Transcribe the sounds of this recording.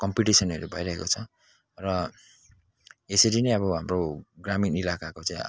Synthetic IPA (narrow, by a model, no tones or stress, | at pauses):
kʌmpiʈisʌnʌɾebʱʌjɾaɦekot͡sʰʌ | rʌ | esʌɾinʌj̃ʌβʌɦamroɡraminilakakot͡saĩ